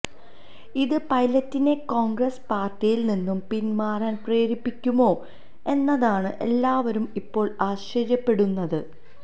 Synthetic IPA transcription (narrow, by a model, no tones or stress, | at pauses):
iðɨpɐjlɐtːine̞koːŋɡrɐspaːrtijilninːumpinmaːraːnpreːɾipːikʲːumo̞ː | e̞nːɐðaːɳɨʔe̞lːaːʋɐɾumipːo̞ːɭaːɕrɐrjɐpːe̞ɽunːɐðɨ